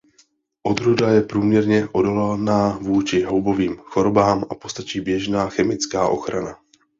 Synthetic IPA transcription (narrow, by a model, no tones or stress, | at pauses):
ʔo̞d̪ɾudajɛpɾuːmɲɛɾɲɛʔo̞dolɛlnaːvuːt͡ʃɪɦowbo̞viːmxo̞ɾobaːma̰po̞st̪at͡ʃiːbjɛʒnaːxɛmɪt͡skaːʔo̞̰xɾana